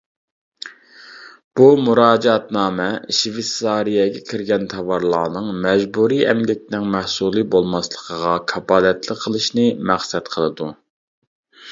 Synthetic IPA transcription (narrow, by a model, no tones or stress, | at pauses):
b̥umuɾɑːd͡ʒɑt̪nɑːmɛʃvesɑːɾijɛɡʲɛkʲʰiɾɡʲɛnt̪ʰɑvɑɾlˠɑːnɨŋmɛʒbuɾiʔɛmlʲɛt̪ɪnɪŋmæhsulˠɨbolˠmɑslˠəqʰəʁɑkʰɑbɑːlɛt̪lˠɪqʰːəlˠɨʃnɨmæχsɛt̪qʰəlˠɨd̪u